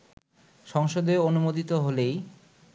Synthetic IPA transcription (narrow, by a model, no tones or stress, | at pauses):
ʃɔŋʃod̪eonumod̪ʱit̪oɦolej